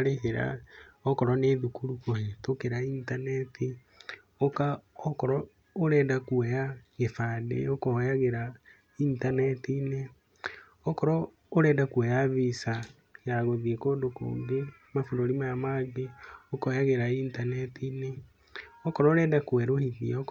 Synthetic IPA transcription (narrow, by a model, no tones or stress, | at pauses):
aɾeheɾa̰ɔkɔɾɔneðukuɾukohetokeɾaintanɛtʰi | okaɔkɔɾɔ | oɾɛdakwɛjaɣefadḛokɔjaɣeɾa | intanɛtine | ɔkɔɾɔ | oɾɛːdakwɛjaβisa | jaɣoðiekodoko̰ːmbe | mafoɾoɾimajamaɡeokɔjaɣeɾaintanɛtine | ɔkɔɾɔoɾɛːdakwɛɾohiðiaok